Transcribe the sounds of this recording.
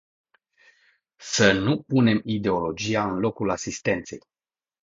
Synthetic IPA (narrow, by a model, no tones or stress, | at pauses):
sənupune̞mid̪e̞o̞lo̞d͡ʒijaɨnlo̞kulasist̪e̞nt̪se̞̰j